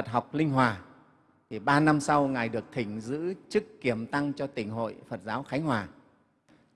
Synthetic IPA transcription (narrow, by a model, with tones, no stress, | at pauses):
fə˨˩t̚ɦa˨˩wk͡p̚lï˧ŋ̟ɦwaː˨˩ | t̪ʰi˨˩ɓaː˧na˧msa˧wŋaː˨˩jɗɨ˨˩ək̚t̪ʰï˧˩ŋ̟zɨ̰˧˥t͡ɕɨ˦˥kːi˧˩əmt̪a˧ŋt͡ɕɔ˧t̪ï˧˩ŋ̟ɦo̰˧˨jfə˨˩t̚zaː˨˦wxa˨˦jŋ̟hwaː˨˩